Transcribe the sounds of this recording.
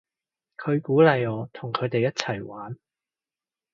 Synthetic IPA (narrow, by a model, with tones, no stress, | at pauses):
kʰɵ˨˧ɥkuː˨˥lɐ˨˧jɔː˨˧t̪ʰʊ˨˩ŋkʰɵ˨˧ɥt̪e˨jːɐ˥t̚t͡sʰɐ˨˩jwaː˨˥n